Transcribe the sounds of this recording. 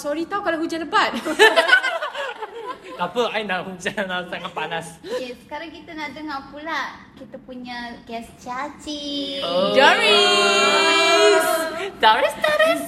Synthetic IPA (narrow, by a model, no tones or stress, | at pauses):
sɔɾit̪aukalaɦud͡ʒanləbat̪̚ | t̪apəajnaʔhud͡ʒanasaŋat̪̚panasjɛsə̥kaɾaŋkit̪anaʔdəŋapulaʔkit̪apuɲaɡɛst͡ʃat͡ʃiod͡ʒaɾi | sdaɾɛsdaɾs